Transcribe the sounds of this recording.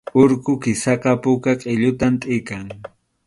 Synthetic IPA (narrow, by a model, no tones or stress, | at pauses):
ʊɾkʊkɪsɑqɑpʊkaqʼɪʎʊt̪amt̪ʼɪkaŋ